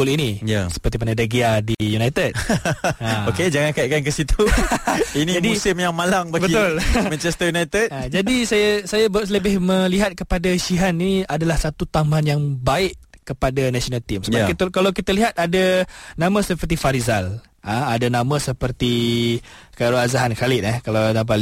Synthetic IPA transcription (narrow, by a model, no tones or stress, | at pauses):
olinijasə̥pərt̪imanadaɡiadijunajt̪əd̚aoked͡ʒaŋankaiʔkankəsit̪u | inid͡ʒamdisɪmjaŋmalaŋbaɡbəit̪ʊlmɛnt͡ʃɛst̪əjunajt̪ɛt̪̚ad͡ʒadisajasajabsləbɪhmə̃liɦat̪̚kəpadaʃiɦaniadalahsat̪ut̪amaanjaŋbaɪʔkəpadanasionalt̪imsəakkalawkit̪aliɦat̪̚adanãmãsəpərt̪̬ifaɾizal | ʔaadanãmə̃səpərt̪i | kaɾoazaɦankalɪʔ̪̚ɛhkalawt̪amp̬ali